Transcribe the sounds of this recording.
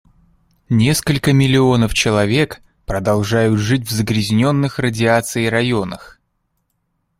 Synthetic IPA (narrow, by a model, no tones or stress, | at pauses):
nʲe̞skəlʲkəmʲɪlʲɪo̞nəft͡ɕɪlˠɐvʲe̞k | pɾəd̪ɐlˠʐajʊt̪ʐɨt̬̚ʲvzəɡɾʲɪzʲnʲo̞nːɨxrədʲɪat̪sɨɪɾɐjo̞nəx